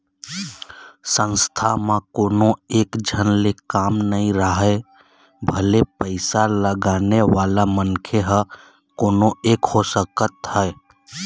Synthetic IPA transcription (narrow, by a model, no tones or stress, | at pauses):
sə̃nst̪ʰamãkoːnoeːkd͡ʒʱənlekaːmnəĩɾəɦɛ | bʱəlepəɪsaləɡaːneʋalamənkʰeɦə | koːnoeːkhosəkət̪ɦəe